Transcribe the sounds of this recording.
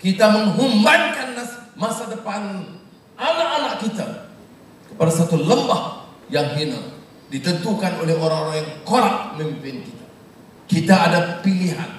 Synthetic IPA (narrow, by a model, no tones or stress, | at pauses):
kit̪aməŋɦumbankanːasmasadəpan | ʔanaʔanaʔkit̪a | kə̥padasat̪uləmbah | jaŋɦina | dit̪ənt̪ukanolɛhoɾaŋoɾaŋjaŋkoɾaʔ̚mimpɪnkit̪a | kit̪aːdapiliɦa̰n